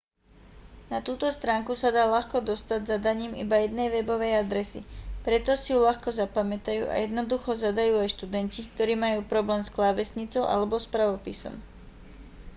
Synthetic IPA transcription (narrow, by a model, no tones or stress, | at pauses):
nat̪uːt̪ɔst̪ɾaːŋkusad̪aːlaxkɔd̪ɔst̪aɟzad̪aɲiːmḭbajɛd̪nɛjʋɛbɔʋɛjad̪ɾɛsḭpɾɛt̪ɔsijulaxkɔzapamɛt̪ajṵːʔa̰jɛd̪nɔd̪uxɔzad̪ajuːajʃt̪ud̪ɛncik̚t̪ɔɾiːmajuːpɾɔblɛːmsklaʋɛsɲit͡sɔʊʔa̰lɛbɔspɾaʋɔpisɔ̰m